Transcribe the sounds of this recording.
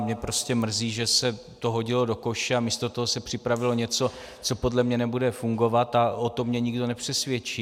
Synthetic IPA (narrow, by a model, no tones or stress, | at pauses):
mɲɛpɾo̞scɛmr̩ziːʒɛsɛ | t̪o̞ɦo̞ɟɪlo̞do̞ko̞ʃɛamiːst̪o̞t̪o̞ɦosɛpr̝̥ɪpɾavɪlo̞ɲɛt͡so̞ | t͡so̞po̞dlɛmɲɛnɛbudɛfuŋɡo̞vat̪aʔot̪omɲɛɲɪɡdo̞nɛpr̝̥ɛsvjɛt͡ʃiː